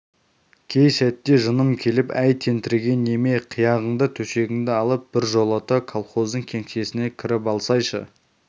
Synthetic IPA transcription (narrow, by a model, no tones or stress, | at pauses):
kʲʰe̞jsæt̪ːe̞ʒənəmkʲʰe̞lɪpæjt̪ʰe̞nt̪ɪɾɡʲe̞nːe̞meqʰijɑʁəɴd̪ət̪ʰɵʃe̞ɡʲɪŋd̪ɪɑlˠəp̚b̥ɪɾʒo̞lˠət̪əkʰolˠχo̞zd̪əɴkʲʰe̞ŋʃe̞sɪne̞kʲʰɪɾɪpɑlˠsɑjʃə̰